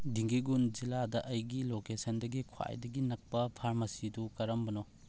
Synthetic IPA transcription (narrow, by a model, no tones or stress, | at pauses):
diŋɡiɡund͡ʒiladɐʔɐjɡilokesɐndɐɡikʰwa̰jdɐɡinɐk̚pɐpʰaɾmɐsidukɐɾɐmbɐnɔ